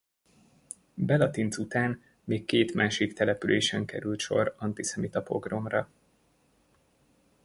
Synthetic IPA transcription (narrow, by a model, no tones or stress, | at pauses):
bɛlɒt̪int̪sut̪aːn | meːkːeːt̪maːʃikt̪ɛlɛpylʔeːʃɛŋkɛɾylt̪ʃo̞̰ɾɒnt̪isɛmit̪ɒpo̞̰ɡro̞mrɒ